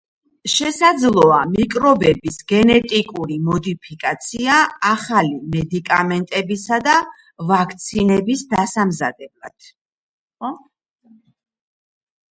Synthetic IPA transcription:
ʃɛsad̪zlˠɔamikʼɾɔbɛbisɡɛnɛt̪ʼikʼuɾimɔd̪ipʰikʼat̪sʰiaːχalimɛd̪ikʼamɛnt̪ʼɛbisad̪a | vakʰt̪sʰinɛbisd̪asamza̰d̪ɛbla̰d̪̥

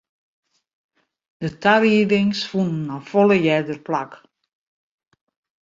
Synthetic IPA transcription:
d̥ətʰaɾidɪŋsfunn̩ɔfɔləjɛdərplak

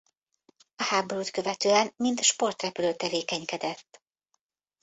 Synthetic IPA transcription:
ɒhaːbo̞ɾuːt̪kø̞vɛt̪øːɛnmint̪ʃpo̞rt̪rɛpyløːt̪ɛveːkɛɲkɛd̪ɛt̪ː

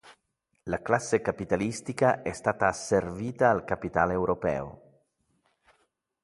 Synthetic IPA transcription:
laklasːekapit̪alist̪ikaʔɛst̪aːt̪aːsːerviːt̪aːlkapit̪a̰ːlewɾopɛ̰ːo̰

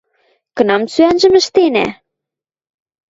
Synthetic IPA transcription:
kɤ̆nɑmt͡syænʒə̆mə̆ʃt̪enæ̰

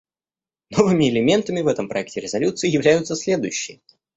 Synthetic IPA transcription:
no̞vɨmʲɪɪlʲɪmʲe̞nt̪əmʲɪvɛt̪əmpɾɐ̰ɛk̚tʲɪɾʲɪzɐlʲut̪sɨɪjɪvlʲæjʊt̪səsʲlʲe̞d̪ʊjʉɕːɪjə

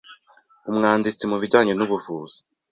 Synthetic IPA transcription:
umŋaːndit͡simuβiɟaːɲenuβuvuːz̥i̥

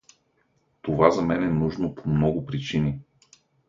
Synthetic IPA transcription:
t̪ovazɐmɛnɛnuʒnopʰomnɔɡʊpɾit͡ʃini

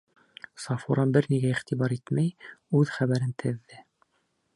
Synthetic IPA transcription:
sɑfuɾɑbɘɾniɡæiχt̪iβɑɾit̪mæjʉðχæβæɾɘnt̪ʰɘ̆ðːɘ

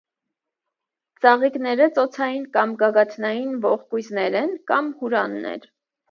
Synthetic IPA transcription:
t͡sɑʁiknɛɾət͡sɔt͡sʰɑjinkɑmɡɑɡɑt̪ʰnɑjinvɔχkujznɛɾɛnkɑmhuɾɑnːɛ̰ɾ

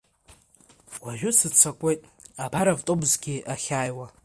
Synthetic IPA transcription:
wʷaʒᶣʊsɨt͡sʷʰakʷʼejtʼabaɾavtʼobzɡʲiʔaχʲaːjwa

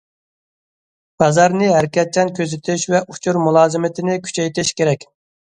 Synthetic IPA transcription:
b̥ɑzɑɾnɨɦæɾkʲɛt̪̚t͡ʃʰɛnkʲøzɪt̪ʰɪʃvɛʔu̥t͡ʃʰuɾmulˠɑːzɪmɪt̪ʰɪnɪkʲʰy̥t͡ʃʰɛjt̪ʰɪʃkʲeɾɛkʲ

